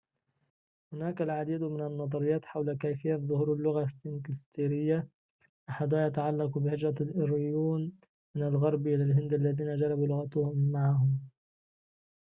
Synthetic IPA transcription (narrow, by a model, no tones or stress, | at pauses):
hʊnaːkalʕad̪iːd̪mɪnanːɑðˤɑɾɪjːɑːt̪ħawlakaːfɪjːaðˤʊhuːɾɪlːʊɣasːɪnkɪst̪iːɾɪjːa | ʔaħad̪jat̪aʕalːɑqubɪhɪd͡ʒɾˤɑɾʊjuːn | mɪnalɣɑɾˤbʔɪlalɦɪnd̪ʔalːaðiːnad͡ʒɑɾˤɑbuːlʊɣat̪ʊhʊmːaʕɦʊm